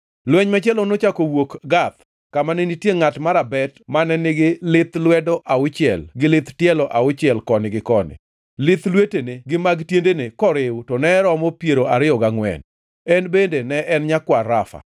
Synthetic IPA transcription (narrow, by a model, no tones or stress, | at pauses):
lwɛɲmat͡ʃɛlɔnot͡ʃakowokɡat̪ | kamanenitjeŋatmaɾabɛtmanɛnɪɡɪlɪt̪lwɛdɔʔaʊt͡ʃɪɛ̰lɡɪlɪt̪tjɛlɔʔaʊt͡ʃɪɛlkɔnɪɡɪkɔnɪ̰ | lɪt̪lweteneɡɪmaɡtjendenekɔɾɪwtɔnɛɾɔmɔpjeɾoaɾɪɔɡaŋwɛ̰n | ɛnbendenɛʔɛnɲakwaɾafa̰